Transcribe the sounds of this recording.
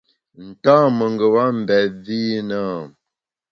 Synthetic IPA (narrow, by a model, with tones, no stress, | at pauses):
n̩˨taː˦mə˨ŋɡə˨wa˦m̩˨bɛ˨vi˦nə˦˨